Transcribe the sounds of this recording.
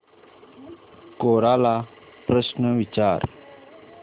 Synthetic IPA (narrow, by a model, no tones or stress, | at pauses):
koːɾaːla | pɾəsnəʋit͡ɕaːɾ